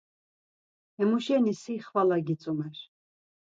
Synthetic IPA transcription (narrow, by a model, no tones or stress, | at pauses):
ɛmuʃɛnisiχvalaɡit͡sʼumɛɾ